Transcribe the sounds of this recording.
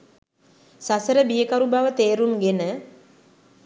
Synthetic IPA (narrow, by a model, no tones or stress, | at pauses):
sasəɾəbijəkaɾubaʋət̪eːɾuŋɡenə